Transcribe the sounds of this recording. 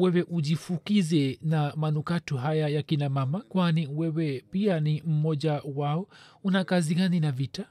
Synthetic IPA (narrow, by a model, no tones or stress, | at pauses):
wɛwɛʔuʄifukizɛnamanukatɔɦajajakinamamakwaniwɛwɛpianim̩mɔʄawaɔunakaziɡaninavita